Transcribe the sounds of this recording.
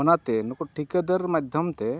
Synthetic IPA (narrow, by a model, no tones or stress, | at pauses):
ɔnat̪ɛnɔkɔʈʰikəd̪əɾmad̪ʱjɔmt̪ɛ